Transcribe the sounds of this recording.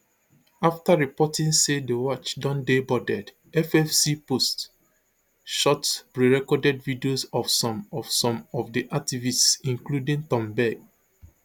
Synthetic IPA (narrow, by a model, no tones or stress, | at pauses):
aftaɹipɔtĩŋsedəwɔt͡ʃdɔ̃ndebɔdɛd | ɛfɛfsipost | ʃɔtpɹiɹɛkɔdɛdvidiosɔfsɔ̃mɔfsɔ̃mɔvdiʔak̚tivistsĩŋkludĩŋtɔ̃mbɛɡ̚